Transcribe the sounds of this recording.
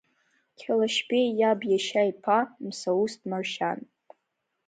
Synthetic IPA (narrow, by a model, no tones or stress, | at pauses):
kʲʰalaʃpejabjaʃajpʰamsaustʰʼmarʃan